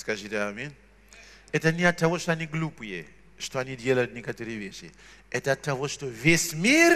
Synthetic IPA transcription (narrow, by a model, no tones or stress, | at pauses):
skaʐitʲeamin | ɛtɐniatːaʋoʂtoaniɡlupjḛ | ʂtoanidʲelɐjutnʲekatoɾɨeʋʲeʃḭ | ɛtɐatːaʋoʂtoʋʲesʲmʲir